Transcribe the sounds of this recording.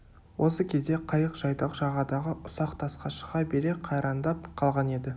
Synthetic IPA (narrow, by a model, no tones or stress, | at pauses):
wʔo̞səkʲʰe̞zd̪e̞qʰɑjəqʒ̥ɑjd̪ɑqʒɑʁɑd̪ɑʁəʔʊsɑqt̪ʰɑsqɑʃə̥ʁɑbe̞ɾe̞qʰɑjɾɑnd̪ɑp̚qʰɑlˠʁɑne̞d̪ɪ